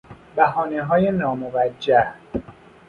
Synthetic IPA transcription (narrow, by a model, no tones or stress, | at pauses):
bæɦɒːneɦɒːjenɒːmovæd͡ʒːæh